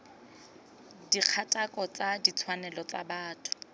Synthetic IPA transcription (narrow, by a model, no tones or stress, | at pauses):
diq͡χʰatʼakʼɔt͡sadit͡sʰwanɛlɔt͡sa̰baːtʰʊ̥